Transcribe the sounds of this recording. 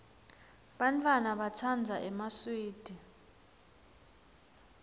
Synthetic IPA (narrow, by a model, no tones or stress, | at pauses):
ɓantʼwanaɓat͡sʰand͡zʱaʔɛmaswiːd̥ʱi